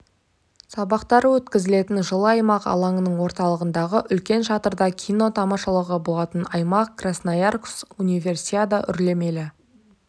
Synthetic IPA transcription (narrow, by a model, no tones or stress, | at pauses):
sɑbɑqt̪ɑɾwɵt̪kʲɪzɪle̞t̪ɪnʒəlˠəɑjmɑqɑ̰lˠɑɴənəɴwo̞ɾt̪ɑlˠəʁənd̪ɑʁəʔʏlkʲe̞nʃɑt̪əɾd̪ɑkʲʰijno̞t̪ʰɑmɑʃɑlˠəʁəbo̞lˠɑt̪ənɑjmɑqkrasnajarksunivʲe̞rsiad̪ɑʔʏ̰ɾle̞me̞lɪ